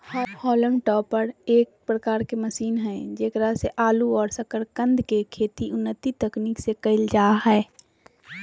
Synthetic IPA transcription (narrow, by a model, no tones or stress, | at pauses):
hɔɾhɔːlə̃ŋɡʈɔːpːəɾeːk̚pɾəkaːɾkeməsiːnɦɛ̃d͡ʒeːkɾaseʔaːluɔːɾsəkəɾkə̃nd̪ʱkekʰeːt̪iʊnːət̪it̪əkniksekəɪld͡ʒaːɦɛː